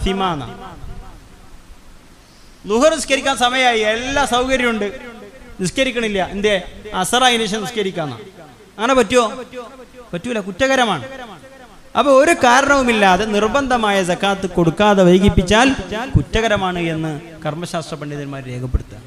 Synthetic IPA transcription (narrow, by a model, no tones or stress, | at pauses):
ɐfimaːnɐ̰ | luhɐrniskɐɾikʲːaːnsɐmɐjɐaːjielːasɐwkɐɾjɐmuɳɖɨniskɐɾikʲːɐɳmilːɐʔind̪eɐsɐraːjineɕɐmniskɐɾikʲːaːnːɐ̰ | ɐŋːɐnepɐtːijo̞ː | pɐtːuʋilːɐkutːɐɣɐɾɐmaːɳɨ | ɐpːɐoɾukaːɾɐɳɐʋumilːaːðe̞nirbɐnd̪ʱɐmaːjɐd͡zɐkːaːt̪ːɨko̞ɽukːaːðɐʋɐjkːipːit͡ɕːaːlːkutːɐɣɐɾɐmaːɳɨe̞nːɨ | kɐrmɐɕaːst̪rɐpɐɳɖiðɐnmaːɾɾe̞ːkʰɐpːeɽut̪ːɨ